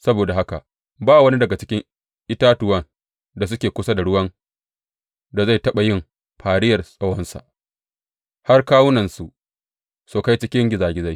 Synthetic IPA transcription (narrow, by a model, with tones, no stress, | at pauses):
sɐ˦boː˨da˨ɦa˦ka̰˨ | baː˦wɐ˦ni˦dɐ˨ɡa˨t͡ʃɪ˦kʲɪ˦ŋ | ʔɪ˦taː˦tʊ˨wɐ˦n | da˨s̬ʊ˦kʲeː˨kʷʊ˦sa˦da˨ɽʊ˦wɐ˦n | da˨za˦˨jtɐ˦ɓa˨jɪ˦˨m | ɸʰaː˨ɽɪ˦jɐ˨rsʼɐ˦wɔ˦nsa̰˨ʔ | ha˦rkaː˦wʊ˦nɐ˨nsu˨ | soː˨ka˦jt͡ʃɪ˦kʲɪ˦ŋɡʲɪ˦zaː˨ɡʲɪ˦za˦j